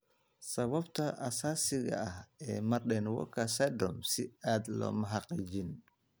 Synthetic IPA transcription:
sɐβɐbt̪ʰɐʔɐsaːsɪɣɐ̰ɐhɛːmɐrɗɛnwɔ̰kʰɐsɛd̪ɔmsɪaːd̪lɔ̰ːmɐɦɑqiːt͡ʃɪn

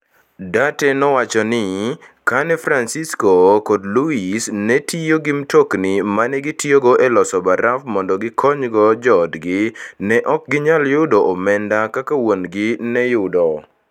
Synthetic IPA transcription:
datɛnɔwat͡ʃɔnɪkanɛfɾansiskokodluisnɛtʰijoɡɪmtoknɪmanɛɡɪtjoɡoʔɛlɔsɔbaɾafmɔndɔɡɪkʰɔɲɡɔd͡ʒɔdɡɪnɛʔɔk̚ɡɪɲaljʊdoʔɔmɛndakakawonɡɪnɛjʊdɔ

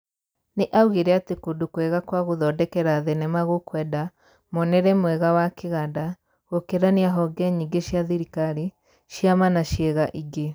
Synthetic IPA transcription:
neʔauɣeɾɛatekodokwɛɣakwaɣoðɔdɛkɛɾaðɛnɛmaɣokwɛda | monɛɾɛmwɛɣawakeɣada | ɣokeɾaniaɦɔɡɛɲiɡeʃjaðiɾikaɾi | ʃjamanaʃjɛɣaʔiɡe

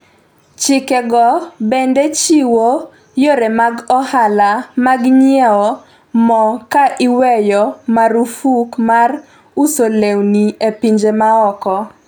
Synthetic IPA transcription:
t͡ʃɪkeɡɔbendet͡ʃiwo | joɾemaɡɔhalamaɡɲjɛɔ | mɔkaʔiwɛjɔmaɾufukmar | usolewniepiɲd͡ʒemaɔkɔ

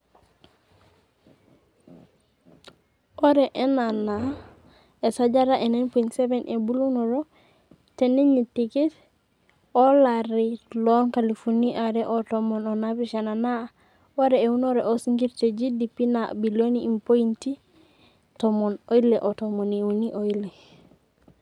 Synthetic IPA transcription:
oɾeʔenana | esad͡ʒaɾaʔenenpoinsebenʔebulunoɾo | teneɲitiket | olaɾiloŋkalifuniʔaɾeʔotomononabiʃanana | woɾeeunoɾeʔosiŋɡiɾted͡ʒidipina̰biloniimpointi | tomonoileʔotomoniuniʔoile

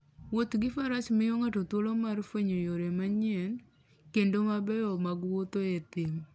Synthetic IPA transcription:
wot̪ɡɪfaɾasmɪjɔŋatot̪wolomarfweɲojoɾemaɲɪɛn | kendomabɛɔmaɡwot̪oet̪ɪm

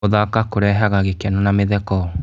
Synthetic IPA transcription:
oðakakoɾɛɦaɣaɣekɛnonameðɛkɔ

